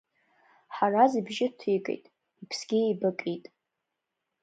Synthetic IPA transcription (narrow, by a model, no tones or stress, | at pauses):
ħarazibʒɪtʰikʼḛjtʼ | ipʰsɡʲiejbɨkʼitʼ